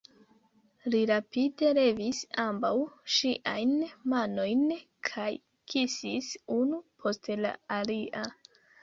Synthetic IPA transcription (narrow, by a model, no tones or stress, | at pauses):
liɾapide̞ɾe̞visambawʃiʔajnmano̞jn | kʰaj | kʰisisunupʰo̞stla̰aliʔa